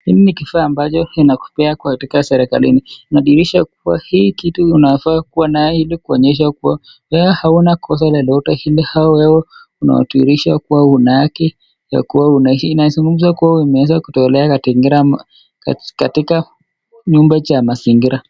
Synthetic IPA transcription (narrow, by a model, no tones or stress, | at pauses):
nininikifaːmbat͡ʃɔinaku̥pɛakwatikasɛɾɛka̰lininaɗiɾiʃak̚uwahiːkituːnafakuwanaɛilikuɔɲɛʃ̬akuwa | wɛɛhaunakʰɔs̬alalɔtahilihaɔwɛwɔ | una̰wa̰tuḭɾiʃakuwaunaakɛ | ja̰kuwaunainaizuŋɡum̩zakuwaimɛwɛzakutɔɛlɛakatiŋɡiɾa | katika | ɲumbat͡ʃamasiŋɡiɾa